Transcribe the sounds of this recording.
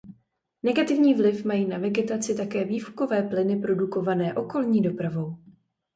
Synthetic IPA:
nɛɡat̪ɪvɲiːvlɪfmajiːnavɛɡɛt̪at͡sɪt̪akɛːviːfko̞vɛːplɪnɪpɾo̞duko̞vanɛːʔo̞ko̞lɲiːdo̞pɾavo̞w

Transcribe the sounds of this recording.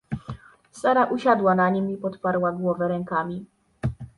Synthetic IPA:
saɾaʔuɕad̪wanaɲimipɔt̪paɾwaɡwɔvɛɾɛŋkamʲi

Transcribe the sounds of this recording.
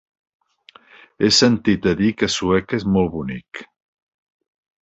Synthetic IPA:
esənt̪it̪əðikəsuɛkezmɔlˠβunik

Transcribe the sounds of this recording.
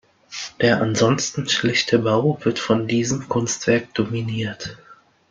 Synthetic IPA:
d̥eːɐʔanzɔnstn̩ʃlɛçtʰəbaʊvɪɐtfɔndiːzəmkʰʊnstv̥ɛɐk̚d̥ominiːɐt

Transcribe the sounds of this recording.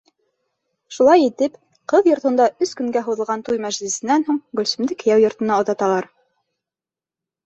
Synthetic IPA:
ʃulˠɑjit̪ɘp | qɤðjŏɾt̪ɤ̆nd̪ɑʔɵskɵ̆ŋɡæɦuðɤ̆lˠʁɑnt̪ujmæʒlɘ̆sɘ̆nːænɦuɴɡɵ̆lsɵ̆md̪ɘkɘ̆jæwjŏɾt̪ɤ̆nɑŏðɑt̪ɑlˠɑɾ

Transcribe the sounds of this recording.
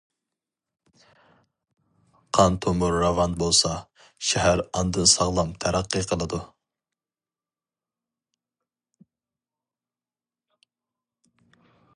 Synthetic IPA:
qʰɑnt̪ʰomuɾːɑvɑnbolˠsɑ | ʃɛɦæɾɑnd̪ɨsɑʁlˠɑmt̪ʰæɾæqːɨqʰəlˠɨd̪u

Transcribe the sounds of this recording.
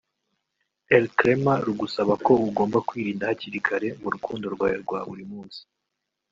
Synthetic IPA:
eɾkɾemaɾuɡusaβako̞uɡo̞ːmbakwiːɾiːndahaciɾikʰaɾe̞muɾukʰuːndo̞ɾɡwaːjeɾɡwa̰ːβuɾimuːnsi̥

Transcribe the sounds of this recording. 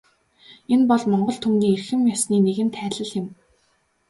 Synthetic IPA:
enpɔɮmɔɴɢɞ̆ɬt̪ʰumniːerxɘ̆mjasniːneɣɘ̆nt̪ʰæːɮɘ̆ɮxɪ̆m

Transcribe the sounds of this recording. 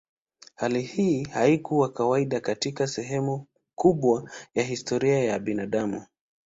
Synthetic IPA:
halihiːhaikuwakawaiɗakatikasɛɦɛmu | kuɓwajaɦistɔɾiajaɓinaɗamu

